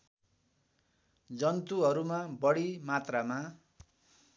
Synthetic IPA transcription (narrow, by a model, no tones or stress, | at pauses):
d͡zʌnt̪uɦʌɾumabʌɽimat̪rama